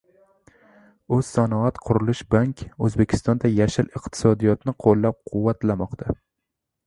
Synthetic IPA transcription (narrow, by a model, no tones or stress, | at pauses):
ʊz̥sanɒat̪qʰʊɾɪlɪʃbaŋkʲɵzbekʲʰɪ̥st̪ɒnd̪ajaʃɪlɪqt̪ʰɪ̥sɒd̪ijɒt̪nɪqʰolˠːap̚qʰʊwːat̪lamɒqt̪ʰa